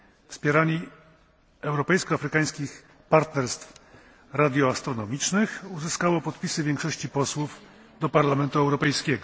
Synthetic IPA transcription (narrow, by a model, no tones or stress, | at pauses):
fspʲjɛɾaɲi | ɛwɾɔpɛjskɔafɾɘkaj̃skʲix | paɾt̪nɛɾst̪f | ɾad̪ʲjɔast̪ɾɔnɔmʲit͡ʂnɘxuzɘskawɔpɔt̪pʲisɘvʲjɛŋkʂɔɕt͡ɕipɔswuv | d̪ɔpaɾlamɛnt̪uɛwɾɔpɛjskʲɛɡɔ